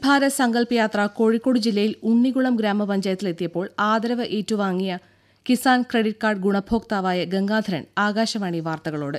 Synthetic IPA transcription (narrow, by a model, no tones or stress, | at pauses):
bʱaːɾɐsɐŋɡɐlpɐjaːt̪rɐko̞ːɻikːo̞ːɽɨd͡ʑilːɐjiluɳːiɣuɭɐmɡɾaːmɐpɐɲd͡ʑɐjɐt̪ːile̞t̪ːijɐpːo̞ːɭaːd̪ɐɾɐʋɐʔeːtːuʋaːŋːijɐ | kisaːnkreɽiʈ̚kaːrɖɡuɳɐbʱo̞ːk̚t̪aːʋaːjɐɡeŋɡaːd̪ʱɐɾɐ̰naːɡaːɕɐmaːɳiʋaːrt̪ɐɣɐɭo̞ːɽɨ